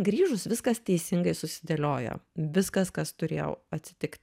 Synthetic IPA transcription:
ɡɾʲiːʒʊsʋʲɪskɐst̪ʲɛɪsʲɪŋɡɐɪsʊsʲɪd̪ʲɐlʲoːjo̰ʋʲɪskɐskɐst̪ʊɾʲḛːjɛ̰ʊɐt̪ʲsʲɪ̥t̪ʲɪkt̪ʲ

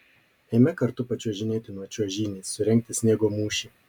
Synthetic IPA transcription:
ɛɪmʲɛkɐɾt̪ʊpɐt͡ʃʲuɔʒʲɪnʲeːt̪ʲɪnuɔt͡ʃʲuɔʒʲiːnʲeːssʊɾʲɛŋʲk̚ʲt̪ʲɪsʲnʲeːɡoːmuːʃʲiː

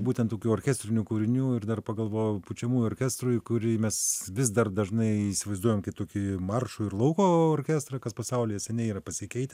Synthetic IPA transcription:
buːt̪ʲɛnt̪oːkʲuːoːɾʲkʲæsʲt̪ʲɾʲɪnʲukuːɾʲɪnʲuːɪrd̪ɐrpɐɡɐlˠʋoːjoput͡ʃʲɛmuːjʊorʲkʲæst̪ɾʊjkʊɾʲɪmʲɛsʋʲɪsd̪ɐrd̪ɐʒnɐɪiːsʲɪʋɐɪzd̪uɔjoːmkɐɪt̪oːkʲimɐrʃʊɪrlˠɐʊkoːoːrʲkʲæst̪ɾɐkɐspɐsɐʊlʲɪːjɛsʲɛnʲɛɪiːɾɐpɐsʲɪkʲɛɪt̪ʲɛ

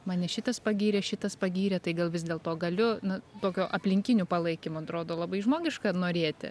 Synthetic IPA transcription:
mɑːnʲɛʃʲɪt̪ɐspɐɡʲiːɾʲɛʃʲɪt̪ɐspɐɡʲiːɾʲɛt̪ɐɪɡɐlˠʋʲɪz̬ʲd̪ʲeːlˠt̪oːɡɐlʲʊnɐt̪oːkʲoːʔɐpʲlʲɪŋʲkʲɪnʲuːpɐlˠɐɪkʲɪmoːɐt̪ɾoːd̪oːlˠɐbɐɪʒmoːɡʲɪʃkɐnoːɾʲeːt̪ʲɪ̰

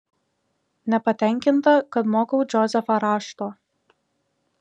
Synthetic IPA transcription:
nʲɛpɐt̪ʲɛˑŋʲkʲɪnt̪ɐkɐt̪moːkɐʊd͡ʒʲɔzʲɛfɐɾɑːʃt̪oː

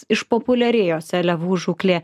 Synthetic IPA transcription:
ɪʃpoːpʊlʲɛɾʲeːjoːsʲɛlʲɛʋuːʒuːklʲeː

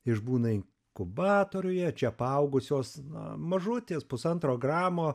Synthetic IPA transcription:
ɪʒbuːnɐɪŋ | kʊbɑːt̪oːɾʲʊjɛt͡ʃʲɛpɐɐʊɡʊsʲoːsnɐ̰mɐʒʊt̪ʲeːspʊsɐnt̪ɾoːɡrɑːmoː

